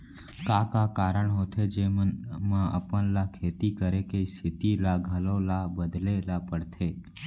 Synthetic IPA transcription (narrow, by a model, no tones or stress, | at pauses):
kakakaɾəɳɦot̪ʰed͡ʒemənmãʔə̰pənlakʰet̪ikəɾekeist̪ʰɪt̪ilaɡʱəlõlabəd̪lelapəɽt̪ʰe